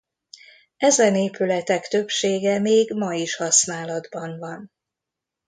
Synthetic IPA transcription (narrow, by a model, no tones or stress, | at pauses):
ɛzɛneːpylɛt̪ɛkt̪ø̞pʃeːɡɛmeːɡmɒiʃhɒsnaːlɒd̪bɒnvɒn